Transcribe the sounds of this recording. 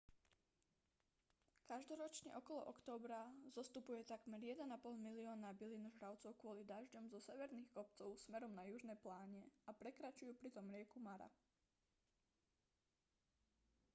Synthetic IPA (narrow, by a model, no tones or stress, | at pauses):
kaʒd̪ɔɾɔt͡ʃɲɛ̰ʔɔkɔlɔ̰ʔɔkt̪ɔːbɾazɔst̪upujɛt̪aɡmɛɾjɛd̪ɛnapɔlˠmiliɔːnabiliːnɔʒɦɾaʊt͡sɔʊkʊɔlid̪aʒɟɔmzɔsɛʋɛɾniːxkɔpt͡sɔʊsmɛɾɔmnajuʒnɛːplaːɲɛapɾɛkɾat͡ʃujuːpɾit̪ɔmɾɪɛkumaɾa̰